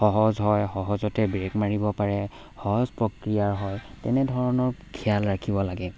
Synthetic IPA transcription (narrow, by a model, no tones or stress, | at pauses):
xɔɦɔzɦɔjxɔɦɔzɔtɛbɹekmaɹibɔpaɹɛ | xɔɦɔzpɹokɹijaɹɦɔjtɛ̰nɛdʱɔɹɔnɔɹkʰialɹakʰibɔlaɡɛ